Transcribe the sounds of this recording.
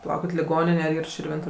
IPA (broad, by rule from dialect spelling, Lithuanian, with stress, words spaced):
pɐˈlˠɐʊkʲɪt lʲɪˈɡoːnʲɪnʲɛ ɐr ˈiːr ʃʲɪrʲˈʋʲɪntʊ